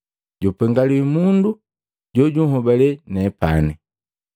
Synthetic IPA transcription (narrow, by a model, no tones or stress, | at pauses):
ɟupɛŋɡaliimundu | ɟɔɟuɦɔbalɛnɛpa̰nɛ